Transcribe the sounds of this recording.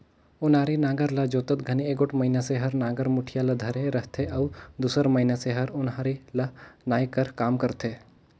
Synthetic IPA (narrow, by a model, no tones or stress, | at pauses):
ʊnaːɾinãːɡəɾlɐd͡ʒoːt̪ət̪ɡʱɐnieːɡoʈʰmɐɦinaseɦɐɾnãːɡəɾmʊʈʰijalɐd̪ʱɐɾeɾɐɦt̪ʰeɐʋd̪uːsəɾmɐinaseɦɐɾʊnaːɾilɐnaːjkɐɾkaːmkɐɾt̪ʰeː